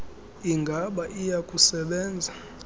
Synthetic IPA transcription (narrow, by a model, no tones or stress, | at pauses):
iŋɡʱaɓaʔijakʼusɛɓɛːnd͡zʱa